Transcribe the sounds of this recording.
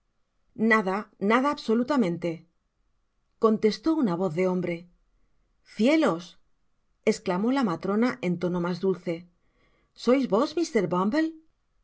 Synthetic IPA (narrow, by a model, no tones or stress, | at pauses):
naðanaðaːβso̞lut̪amẽ̞nt̪e̞ | ko̞nt̪e̞st̪o̞unaβ̞o̞θðe̞õ̞mbɾe̞ | θje̞lo̞s | e̞sklamo̞lamat̪ɾo̞naʔe̞nt̪o̞no̞mazd̪ulθe̞ | so̞jzβo̞zmist̪e̞ɾβambel